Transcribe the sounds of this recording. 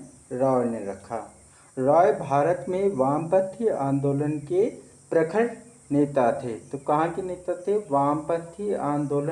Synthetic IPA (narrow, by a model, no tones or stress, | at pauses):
ɾaːɽnɾɐkʰa̰ː | ɾaːjbʱaːɾət̪mẽʋaːmpət̪ʰːiãːnd̪oːlənke | pɾɐkʰəʈ | neːt̪at̪ʰet̪okɐɦãkineːt̪at̪ʰeʋaːmpət̪ʰːiãːnd̪oːlə